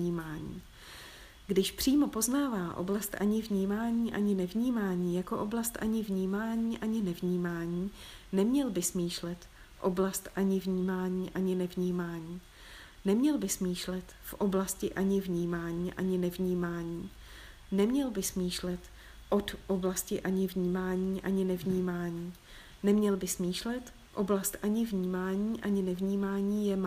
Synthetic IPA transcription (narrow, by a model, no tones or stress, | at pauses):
ɲiːmaːɲḭː | ɡdɪʃpr̝̥iːmo̞po̞znaːvaːʔo̰blast̪ʔa̰ɲɪvɲiːmaːɲiːʔaɲɪnɛvɲiːmaːɲiːjako̞ʔoblast̪ʔaɲɪvɲiːmaːɲiːʔaɲɪnɛvɲiːmaːɲiː | nɛmɲɛlbɪsmiːʃlɛt̪ | ʔo̞blast̪ʔaɲɪvɲiːmaːɲiːʔaɲɪnɛvɲiːmaːɲiː | nɛmɲɛlbɪsmiːʃlɛt̪fʔoblascɪʔaɲɪvɲiːmaːɲiːʔa̰ɲɪnɛvɲiːmaːɲiː | nɛmɲɛlbɪsmiːʃlɛt̪ | ʔo̞t̪ʔoblascɪʔaɲɪvɲiːmaːɲiːʔaɲɪnɛvɲiːmaːɲiː | nɛmɲɛlbɪsmiːʃlɛt̪ | ʔoblast̪ʔaɲɪvɲiːmaːɲiːʔaɲɪnɛvɲiːmaːɲiːjɛm